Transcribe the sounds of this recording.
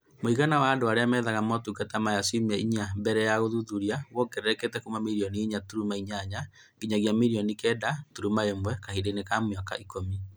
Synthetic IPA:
moiɣanawaːdoaɾeamɛðaɣamɔtukatamajasimɛiɲambɛɾɛjaɣoðuðuɾiawɔkɛɾɛɾɛketɛkumamiɾiɔniiɲatuɾumaiɲaɲa | ɡiɲaɣiamiɾiɔnikɛdatuɾumaemwɛkahidenekamwaka̰ʔikomi

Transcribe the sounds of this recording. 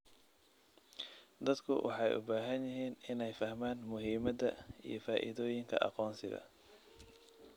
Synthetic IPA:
d̪ɐd̪kʰʊwʔɑ̰ħɑjʔʊ̰baːɦɐnjɪɦiːnɪnɛjfɐhmaːnmʊɦiːmɐd̪ɐḭjɞfaːʔɪ̰ðɔːjɪŋkʰɐ̰ʔɑ̰qɔːnsɪɣɐ̰

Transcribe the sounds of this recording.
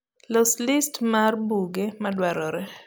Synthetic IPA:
loslɪstmarbuɡemadwɛɾɔɾɛ

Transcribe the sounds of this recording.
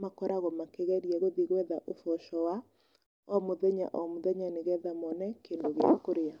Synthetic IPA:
makɔɾaɣɔmakeɣɛɾiɛɣoðiɣwɛðaʔofɔʃɔwa | ɔmoðɛɲa̰ʔɔmoðɛɲaneɣɛðamɔnɛkendoɣea̰koɾea

